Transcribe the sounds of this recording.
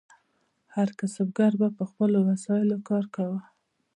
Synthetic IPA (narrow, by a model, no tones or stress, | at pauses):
haɾkasab̚ɡaɾbapəxpəlowasɑjɪlokɑɾkawə